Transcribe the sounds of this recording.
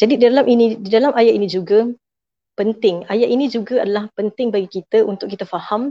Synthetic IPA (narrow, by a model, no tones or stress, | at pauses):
d͡ʒadididalamʔinĩdidalamʔajaʔinĩd͡ʒuɡa | pənt̪ɪŋajaʔinĩd͡ʒuɡaadalahpənt̪ɪŋbaɡikit̪aunt̪ʊkːit̪afaham